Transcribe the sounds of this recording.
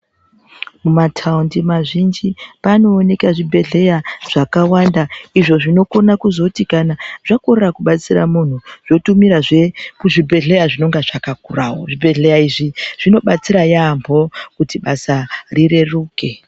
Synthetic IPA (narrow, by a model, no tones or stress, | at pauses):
mumatʰaundimaʐind͡ʒipano̞ːne̞kaʐibʱe̞ɮe̞jaʐ̥akawandaiʐo̞ʐino̞ko̞nakuzo̞tikanaʐako̞rerakuɓat͡sira̰mun̤uʐ̥o̞tumiɾaʐekuʐibʱe̞ɮe̞jaʐino̞ŋɡaʐakakurawo̰ʐibʱe̞ɮejaiʐiʐ̥ino̞ɓat͡siɾajambʱo̞kutiɓasarire̞ruːke̞